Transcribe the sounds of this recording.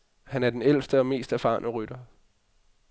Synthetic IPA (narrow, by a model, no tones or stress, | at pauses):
hænæɐd̥enel̰sd̥əɒ̽me̝̰ːsd̥æɐfɑ̈ːnʔəʁyd̥ɐ